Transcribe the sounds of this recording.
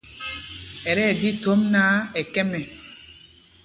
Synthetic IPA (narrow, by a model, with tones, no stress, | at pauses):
ɛ˨ɾɛ˦˨di˦to˦mna˦e˨kɛ˦mɛ˨